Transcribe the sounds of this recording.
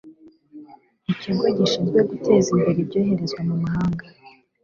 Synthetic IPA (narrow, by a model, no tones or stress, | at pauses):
iciɡwoɟiʃizɡweɡute̞zimbiɾibɟo̞ːɦe̞ɾe̞zwamumaɦaːŋɡa